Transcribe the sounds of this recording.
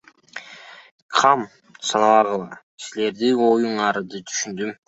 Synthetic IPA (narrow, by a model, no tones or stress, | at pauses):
qʰɑm | sɑnɑlˠɑʁɯlˠɑ | sile̞ɾd̪io̞juɴɑɾɯd̪ɯt̪ʰy̥ʃynd̪ym